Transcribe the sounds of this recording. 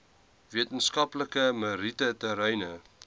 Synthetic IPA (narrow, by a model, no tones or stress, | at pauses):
viətənskɐpləkəməɾitətəɾəjnə